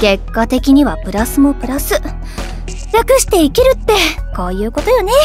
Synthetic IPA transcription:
ɡ̥e̞kːat̪e̞kʲiɲ̟iβapɯ̟ɾasɨmo̞pɯ̟ɾasɨ | ɾʲakɯ̟ɕi̥t̪e̞ikʲiɾɯ̟t̪ːe̞kaːjɯ̟ːko̞t̪o̞jo̞ne̞

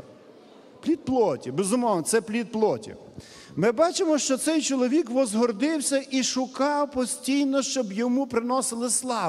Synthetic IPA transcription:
plʲid̪̚plˠɔtʲibezʊmɔwnɔt̪sɛplʲit̪̚plˠɔtʲḭ | mɪbɑt͡ʃɪmɔʃt͡ʃɔt̪sɛjt͡ʃɔlˠɔʋʲikʋɔzɦɔrd̪ɪwsʲɐʔiʃʊkɑwpɔsʲtʲijnɔʃt͡ʃɔbjɔmupɾɪnɔsɪlˠɪslˠɑ

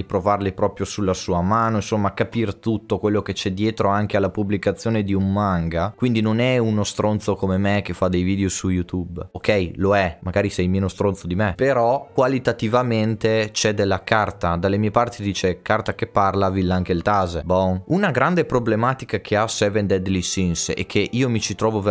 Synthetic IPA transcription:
ipɾovarlepɾɔːpɾjosulːasuːamaːnoinsomːaːkːapirt̪ut̪ːokwelːoket͡ʃɛd̪jeːt̪ɾoaŋk̟ealːapublikat̪sːjoːned̪iumːaŋɡakwind̪inonɛunost̪ɾont̪sokomemek̟ːefːad̪ejviːd̪eosujut̪ubokɛjloɛmaɡaːɾisɛjmeːnost̪ɾont̪sod̪imepeɾɔkkwalit̪at̪ivament̪et͡ʃɛd̪elːakart̪ad̪alːemiːepart̪id̪iːt͡ʃekart̪akepːarlavilːaŋkelt̪aːzebɔŋunaɡɾand̪epɾoblemaːt̪ikakʰeasɛvend̪ɛd̪lisinsḛkʰːeʔiːomit͡ʃit̪ɾɔːvo

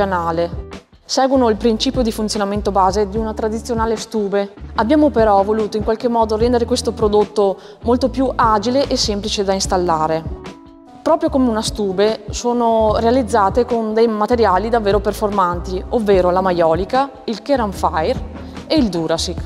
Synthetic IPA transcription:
anaːle | sɛːɡwonoilpɾint͡ʃiːpjod̪ifunt̪sjonament̪obaːzed̪iunat̪ɾad̪it̪sːjonaːlest̪uːbeabːjaːmopeɾɔvoluːt̪oiŋkwalkemːɔːd̪oɾɛnd̪eɾekwest̪opɾod̪ot̪ːo | molt̪opjuʔad͡ʒileʔesemplit͡ʃed̪ainst̪alːaːɾe | pɾɔːpɾjokomeunast̪uːbesoːnorealid̪zːaːt̪ekond̪ejmat̪eɾjaːlid̪avːeːɾoperformant̪iovːeːɾolamajɔːlika | ilkeɾaɱfajr | eild̪uːɾasik

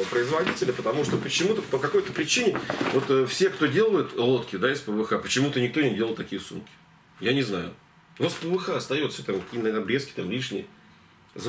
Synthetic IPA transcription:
əpɾəɪzvɐdʲitʲɪlʲəpət̪ɐmuʂt̪opət͡ɕɪmut̪əpəkɐko̞jt̪əpɾʲɪt͡ɕinʲɪvo̞t̪əfsʲe̞kt̪o̞dʲe̞lˠəjʊt̪lˠo̞t̪kʲɪd̪aɪspəvɨxapət͡ɕɪmut̪ənʲɪk̚t̪o̞nʲɪdʲelˠəlˠt̪ɐkʲijəsṵmkʲɪ̥ | janʲɪzna̰jʊ̰ | vot̪spəvɨxaɐst̪ɐjo̞t̪sʲot̪amkɐkʲinənɐbɾʲe̞skʲɪ̥t̪amlʲiʂnʲɪjə | z

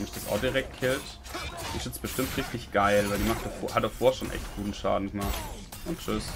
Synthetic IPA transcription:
mɪçd̥asa̰ʊdiʁɛk̚t̚kʰɛlt | d̥ḭːz̥ɪt͡sb̥əʃtɪmtʁɪçtɪçɡ̥aɪlvaɪldiːmaχt̚d̥ɐfo̰ːhatdafoːɐʃoːnʔɛ̰çtɡ̥uːtn̩ʃa̰ːdn̩ɡəmaχt | ʔʊntt͡ʃʏs

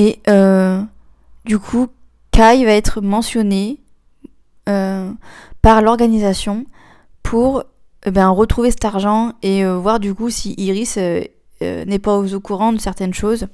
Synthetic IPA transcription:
eø | d̪ykʰu | kajvaɛt̪χəmɑ̃sjɔne | ø | paʁlɔʁɡanizasjɔ̃ | pʰuʁ | ebɛ̃ʁət̪χuvesɛ̥t̪aʁʒɑ̃eøvwaʁd̪ykusiʔiʁisø | ø̰nɛpaozokuʁɑ̃d̪əsɛʁt̪ɛnʃoz

